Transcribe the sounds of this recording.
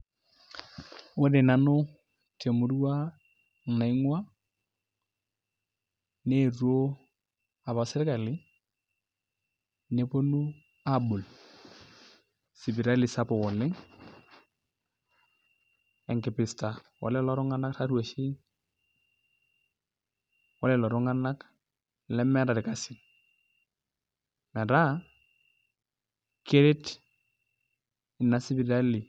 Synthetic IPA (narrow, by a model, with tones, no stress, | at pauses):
wʊ˦dɪ˨na˨nʊ˦ | te˨mʊ˨ɾwa˦˨ | na˨ɪ˦ŋwa˦ | ne˦˨ro˦ | a˨ba˨sɪ˦ɾɪ˦ka˨lɪ˦ | ne˦po˦nu˦ | a˦bʊ˨l | sɪ˨bɪ˨ɾa˦lɪ˨sa˦pɔ˨wɔ˨lɪ˦ŋ | ɛ˨ŋkɪ˨pɪ˨sta˨wɔ̰˨lɛ˦lɔ˨˦ɾʊ˦ŋa˦na˦k̚ta˦ɾwa˨ʃi˦ŋ | wɔ˦lɛ˨lɔ˨ɾʊ˦ŋa˦na˦k | lɛ˦mɛ˦ɾa˨ɾɪ˨ka˨sɪ˨ | mɛ˨ɾa˦ | kɪ˦ɾɪ˦t | ɪ˨na˦sɪ˦bi˨ɾa˦lɪ˨